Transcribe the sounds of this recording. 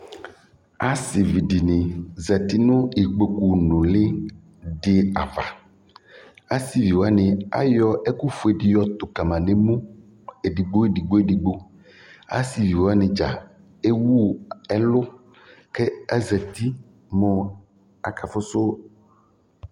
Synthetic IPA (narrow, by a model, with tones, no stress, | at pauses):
a˦si˨vi˨ɖi˨nẽ˨zɛ˨t̪i˦nʊ̃˦i˨ɡ͡bo˨ku˨nõ˨le˦ | ɖe˦a˨va˨ | a˦si˨vi˨wo˨˦a˦nẽ˨a̰˦jɔ˦e˦ku˦fu˨e˨ɖi˨jɔ˦t̪o˨ka˨mã˨nẽ˨mũ˦ | e˨ɖi˨ɡ͡bo˦e˦˨ɖi˨ɡ͡bo˦e˦di˨ɡ͡bo˦ | a̰˦si˨vi˨wo˨˦a˦nẽ˨d͡ʒa̰˨ | e˦wu˦˨ɛ˦lʊ˦ | ke˦a˦zɛ˨t̪i˦ | mõ˦ | a˨ka˨fʊ˦so˦